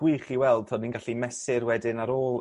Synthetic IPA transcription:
wɨχiwɛlˠd̥̚tʰɔdninɡaɬimɛsɪrwɛdɪnaɾoːlˠ

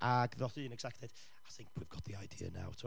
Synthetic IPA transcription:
ʔaɡðɔθɨːnɛɡ̥sɛktʰɛd̥ | ajθɪ̃ŋkʰwivɡɔtðiajdiːə̰na̰wtʰu

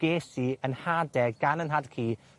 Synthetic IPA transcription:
ɡ̥eːsiənhadɛɡanənɦadkʰiː

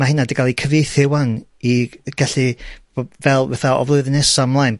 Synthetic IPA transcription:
mahɪnadɪɡalˠikʰəveθɪwaŋiɡ̥aɬɨb̥obvɛlˠvɛθaɔ̰vlˠʊɨðnɛsamlˠajn

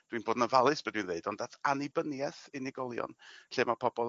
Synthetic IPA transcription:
d̥winboːdnəvalˠɨsb̥adwinðneɨdɔndatʰanɪbənjɛθɪnɪɡɔlˠjɔ̰nɬeːmapʰɔbɔlˠ

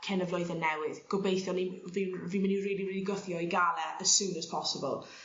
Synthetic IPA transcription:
kʰɛnəvlɔjðɛnɛwɪðɡ̥ɔbejθjɔnivinviːmɪniriːliriːliɡəθjɔiɡalˠɛəz̥suːnəz̥pʰɔsəbə̰lˠ

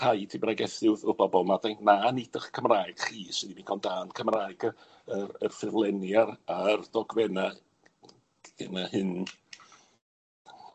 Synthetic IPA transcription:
ajtʰibraɡɛθɪwðʊbɔbɔlˠmadajnanidʰəχkʰəmraːjɡ̥χiːsədimikʰɔnd̥aːnkʰəmraːjɡ | əərfɪvlˠɛnjaɾard̥ɔɡwɛna | ɛnahɨn

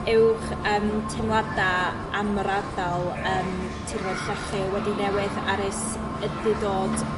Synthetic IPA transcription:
ɪwχ | əːmtʰɛmlˠada | amɔɾadalˠəːm | tʰiɾvɔdɬəχɪwɛdinɛwɪðaɾɪs | ədɪdoːd

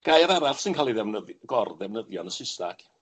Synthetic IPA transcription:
ɡ̥ajaɾaɾaɬsɪnkʰaːlˠiðɛvnəðɡɔrðɛvnəðjɔnəsɪsta̰ɡ̥

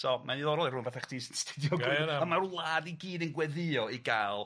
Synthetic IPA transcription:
sɔmʔaniðɔɾɔrʊːnvaθaχd̥iːsnstʰɪdjɔɡamarlˠaːdiɡiːdənɡwɛðɪɔiɡaːlˠ

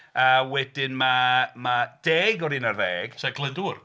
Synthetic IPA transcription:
awɛdɪnmamad̥ɛːɡɔɾiːnərðɛːɡ̥sɛɡlˠənduːr

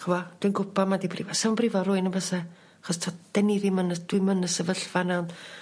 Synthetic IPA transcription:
χəvɔd̥winɡʊpʰamadibʰrivɔsəwnbrivɔrʊɨnəbəsa | aχɔstʰɔd̥ɛniɾimənəd̥wimənəsəvəɬvanawn

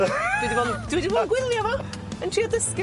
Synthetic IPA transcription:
d̥widivɔːd̥widivɔːɡwɪlˠjɔvɔ | əntʰriːɔðəskɪ

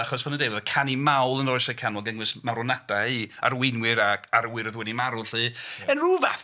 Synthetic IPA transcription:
aχɔsbʰɔnəndejvɔðkʰanimawlˠənrɔɨsɛkʰanɔlˠɡɛŋwɨsmaɾɔnadaia̰ɾwɪnwɪɾaaɾwɨɾəðwɛnimaɾʊɬɨənruːva̰θ

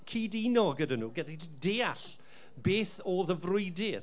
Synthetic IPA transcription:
kʰiːdinɔɡədanuːɡɛdideːaɬ | beːθoːðəvrʊɨdɪr

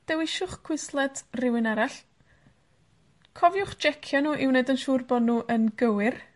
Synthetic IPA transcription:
d̥ɛwɪʃʊχkʰw̥ɪslˠɛdrɪwɪnaɾaɬ | kʰɔvjʊχd͡ʒɛkʰjanuːʔɪwneɨdənʃurbɔdnuːʔənɡəwɪr

